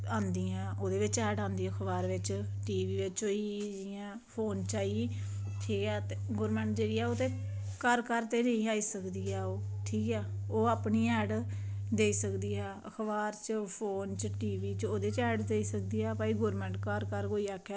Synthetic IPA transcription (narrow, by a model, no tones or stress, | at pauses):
ãːnd̪iːãːʔoːd̪eːʋɪt͡ʃɛːɖãːnd̪iːəkʰbaːɾʋɪt͡ʃ | ʈiːʋiːʋɪt͡ʃoːiːd͡ʒɪjãː | pʰoːnt͡ʃaːiː | ʈʰiːkɛːt̪eɡoːɾmɛ̃ːɳʈd͡ʒeːɽiːɛːoːt̪eː | kəɾkəɾt̪eːnəĩːaːiːsəkd̪iːɛːoːʈʰiːkɛːoːaːpniːɛːɖd̪eːiːsəkd̪iːɦɛːə̰kʰbaːɾt͡ʃəpʰoːnt͡ʃʈiːʋiːt͡ʃoːd̪eːt͡ʃɛːɖd̪eːiːsək̚d̪iːɛːpaːiːɡoːɾmɛ̃ːɳʈkəɾkəɾkoːiːaːkʰːjaː